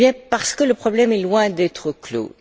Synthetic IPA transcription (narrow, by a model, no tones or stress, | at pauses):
jɛ̃paʁsə̥kələpχɔblɛmɛlwɛ̃d̪ɛt̪χəklo̰